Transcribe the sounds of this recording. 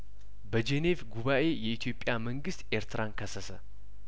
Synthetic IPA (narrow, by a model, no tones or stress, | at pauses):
bəd͡ʒene̞vɡuβaʔe̞jɛʔit̪ʰjo̞pʼjaməŋɡɨst̪ʔe̞ɾt̪ʰɨɾankʰəsəsə